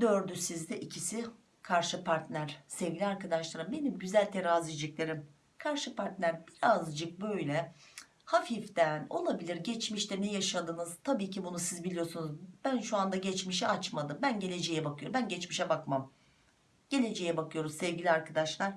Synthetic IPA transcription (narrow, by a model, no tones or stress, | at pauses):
d̪øɾd̪ysizd̪ɛʔicʰisi | kʰaɾʃɯpʰaɾt̪lʲæɾ̥sɛvɡɟilʲiaɾkad̪aʃlˠaɾɯmbe̞nimɟyzælʲt̪ʰeɾaːzid͡ʒiclʲe̞ɾim | kʰaɾʃɯpaɾt̪nʲæɾbiɾazd͡ʒɯk̚bø̞jlʲɛ | hafift̪æno̞lˠabilʲiɾɟɛt͡ʃmiʃt̪ɛnɛjaʃad̪ɯːnɯzt̪ʰabiːcʰibunusizbilʲijo̞sunuzbænʃuand̪aɟɛt͡ʃmiʃ̬ɛat͡ʃmad̪ɯmbænɟe̞lʲe̞d͡ʒe̞jɛbakʰɯjo̞ɾmbænɟɛt͡ʃmiʃɛbakmam | ɟ̥e̞lʲe̞d͡ʒe̞jɛbakʰɯjo̞ɾumsɛvɟilʲiaɾkʰad̪aʃlˠaɾ̥